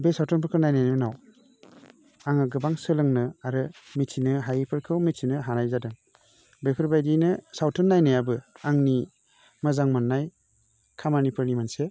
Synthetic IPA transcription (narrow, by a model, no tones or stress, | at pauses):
besawtʰɯnpʰɯɾkʰɯɾnajnajnɯnaw | aŋaɡɯbaŋsɯlɯŋnɯaɾɯmitʰinɯɦajipʰɯɾkʰɯwmitsʰinɯɦanajzadɯŋ | bepʰɯɾbajdinɯsawtʰɯnːajnajabɯaŋni | mazaŋmanːaj | kʰamanipʰɯɾnimanse